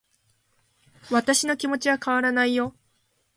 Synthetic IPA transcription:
βat̪aɕino̞kʲimo̞t͡ɕiβakaβaɾanaijo̞

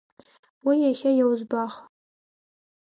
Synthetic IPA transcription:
wijaχʲajawzbaχ

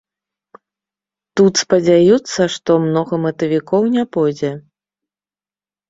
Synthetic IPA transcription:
t̪ut̪spɐd͡zʲajut̪sːɐʂt̪ɔmnɔɣɐmɐt̪ɐvʲikɔwnʲapɔjd͡zʲɛ

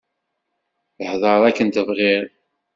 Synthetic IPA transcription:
θəħðˤɑðˤækːənt̪əvʁɪɾ

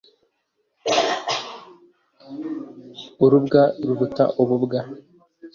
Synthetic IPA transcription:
uɾubɡaɾuβuta̰ʔoβubɡa

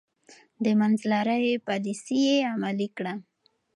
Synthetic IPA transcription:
d̪əmanzlaɾəwepɑlisijeamalikɽa

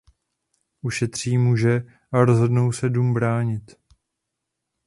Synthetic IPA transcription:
ʔuʃɛt̪r̝̥iːmuːʒɛ | ʔaɾozɦo̞dno̞wsɛdumbɾaːɲɪt̪

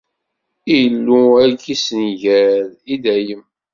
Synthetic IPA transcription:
ijlːuækisnʝæɾid̪æjəm

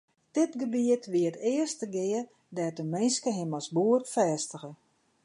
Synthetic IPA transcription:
d̥ɪtɡəbiətʋiətɪərstəɡɪə | dɛtəmɪnskəɦɪmɔsbuərtfɛːstəɣə

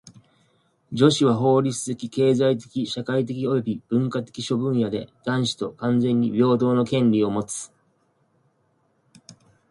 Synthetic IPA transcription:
d͡ʑo̞ɕiβ̞aɦo̞ːɾʲit͡sɨzekʲike̞ːzait̪̬e̞̥kʲiɕakait̪̬e̞kʲio̞jo̞bʲib̥ɯ̟̃ŋkat̪e̞̥kʲiɕo̞bɯ̟̃ɰ̃jad̪e̞̰d̪̥ãɰ̃ɕi̥t̪o̞kãnd͡zẽ̞ɲ̟ːibʲo̞ːd̪o̞ːno̞kẽ̞nɾʲio̞mo̞t͡sɨ̥

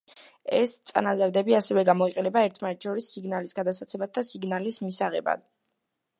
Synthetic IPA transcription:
ɛst̪sʼa̰nazaɾd̪ɛbiasɛvɛɡamɔiqʼɛnɛbaɛɾt̪ʰmanɛt̪ʰʃɔɾisːiɡnalisɡad̪at̪sat̪sʰɛmat̪ʰːasiɡnalismisaʁɛ̰ba̰d̪̥̚

